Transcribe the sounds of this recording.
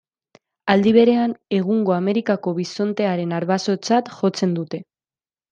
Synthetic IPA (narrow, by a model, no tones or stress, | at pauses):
ald̪iβ̞e̞ɾe̞ane̞ɣ̞uŋɡo̞ame̞ɾikako̞βiso̞nt̪e̞aɾe̞naɾβaso̞t͡sat̪xo̞t͡se̞nd̪ut̪e̞